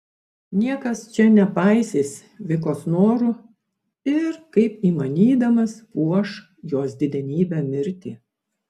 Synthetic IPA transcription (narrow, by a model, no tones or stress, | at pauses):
nʲiɛkɐst͡ʃʲɛnʲɛpɐɪsʲeːsʲ | ʋʲɪk̬oːsnoːɾʊ | ɪɾkɐɪpiːmɐnʲiːd̪ɐmɐspuɔʃ | joːsd̪ʲɪd̪ʲɛnʲiːbʲɛːmʲɪɾʲt̪ʲiː